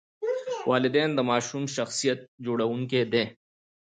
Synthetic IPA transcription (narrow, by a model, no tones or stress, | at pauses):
wʔaːlɪd̪ɛːnd̪ɐmaːʃuːmʃɐxsijət̪̚d͡ʒoɽɐwũŋked̪ẽː